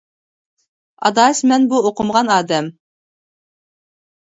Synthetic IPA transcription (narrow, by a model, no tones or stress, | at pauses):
ɑ̰d̪ɑːsʲmɛnbuoqəmʁɑnɑːd̪ɛm